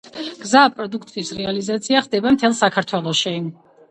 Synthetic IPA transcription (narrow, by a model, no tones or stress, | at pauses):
ɡ̥zaːpʼɾɔd̪ukʰt̪ʼisɾɛalizat̪sʰiaχd̪ɛbamt̪ʰɛlˠsakʰaɾt̪ʰwɛlˠɔʃi